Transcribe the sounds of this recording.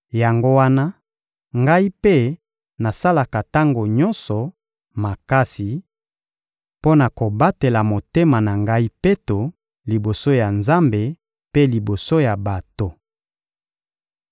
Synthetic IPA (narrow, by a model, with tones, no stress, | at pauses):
ja˨ŋɡo˦wa˦na˦ | ŋɡa˦i˦pe˦ | na˨sa˦la˨ka˨ta˦ŋɡo˨ɲɔ˦nsɔ˨ | ma˨ka˦si˨ | po˦na˨ko˨ba˦te˨la˨mo˨te˦ma˨na˨ŋɡa˦i˦pe˦to˨ | li˨bo˨so˦ja˨nza˦mbe˨ | pe˦li˨bo˨so˦ja˨ba˨to˦